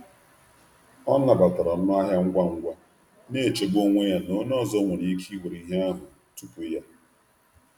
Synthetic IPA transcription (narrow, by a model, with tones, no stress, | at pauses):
ɔ˦na˨ba˨ta˨ɾa˨n̩˦n˦a˦ɦja˦ŋ̩˦ɡʷa˦ŋ̩˦ɡʷa˦ | ne˦˨e˨t͡ʃe˨ɡ͡bo˦ŋʷe˦ja˦no˦nɔ˦˨zɔ˦ŋʷe˨ni˦kʰi˦ɡʷu˨ɾi˨˦ɦe˦a˦ɦʊ˨ | tu˦pu˨˦ja˦